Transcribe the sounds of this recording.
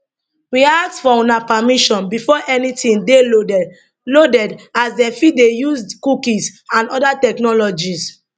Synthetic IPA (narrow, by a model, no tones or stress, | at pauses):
wiaktfɔũnapamiʃɔ̃nbifɔʔɛnitĩnde | lodɛdazdɛ̃fidejuzkukĩsãnɔdatɛknɔlɔd͡ʒis